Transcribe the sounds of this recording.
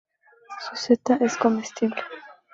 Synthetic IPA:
suset̪aʔeskomest̪ible

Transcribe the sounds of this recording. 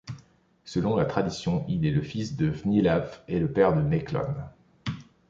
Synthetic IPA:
səlɔ̃lat̪χad̪isjɔ̃ilɛləfisd̪əvnilafɛləpɛʁd̪ənɛklɔ̰n

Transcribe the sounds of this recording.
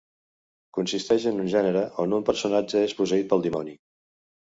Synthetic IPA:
kunsist̪ɛʃənunʒɛnəɾəʔonumpəɾsunad͡ʒəespusəit̪̚pəlˠd̪imɔni

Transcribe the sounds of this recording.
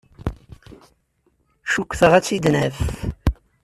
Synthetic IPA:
ʃukʷːθəʁæt͡sːid̪næf

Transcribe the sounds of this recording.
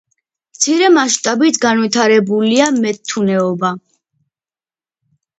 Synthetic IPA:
mt̪sʰiɾɛmaʃt̪ʼabit̪ʰɡanwit̪ʰaɾɛbuliamɛt̪ʰːunɛɔba

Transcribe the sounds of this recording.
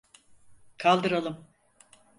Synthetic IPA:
kʰalˠd̪ɯɾalˠɯm

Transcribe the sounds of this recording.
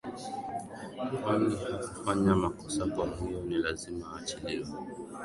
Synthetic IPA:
wanihukufaɲamakɔsakwamujɔnilazimaːt͡ʃiliwɛ

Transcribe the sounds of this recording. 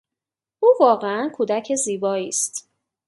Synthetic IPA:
ʔuːvɒːɣeænkʰuːd̪æcʰeziːbɒːiːst̪

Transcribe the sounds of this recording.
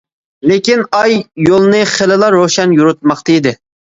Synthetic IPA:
lekʲinɑjːolˠnɨχelɪlˠɑɾːoʃɛnjuɾut̪̚mɑχt̪ɑid̪ɪ

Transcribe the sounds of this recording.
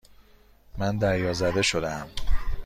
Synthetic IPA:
mænd̪æɾjɒːzæd̪e̞ʃo̞d̪æm

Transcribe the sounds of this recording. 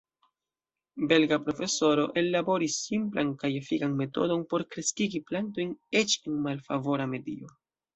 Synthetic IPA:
be̞lɡapɾo̞fe̞so̞ɾo̞ʔe̞lːabo̞ɾisːimplankajefikanme̞to̞̰do̞npo̞ɾkɾe̞skiɡiplanto̞jne̞t͡ʃenmalfavo̞ɾame̞dio̞

